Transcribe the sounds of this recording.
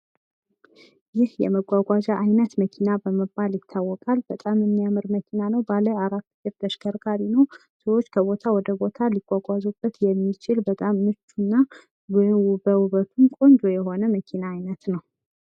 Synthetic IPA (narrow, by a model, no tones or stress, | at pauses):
jɪhjɛ̰məɡʷaɡʷad͡ʒaʔajnət̪məkʰinabəməbːaljɪt̪ʰːawːɔkʼalbət̪ʼamɨmːijamɨɾməkʰinanəwbaləaɾat̪ːjɪɾd̪əʃkʰəɾɡaɾinəw | səwot͡ʃːkʰəβo̞t̪ʰawɔd̪əbo̞t̪ʰaliɡ̥ʷaɡʷazubːət̪jɛmːit͡ʃʰɪlbət̪ʼamnɨt͡ʃːunːa | bəwuβət̪ʰumkʼo̞nd͡ʒ̪ojɛɦo̞nəməkʰinaːjnət̪nəw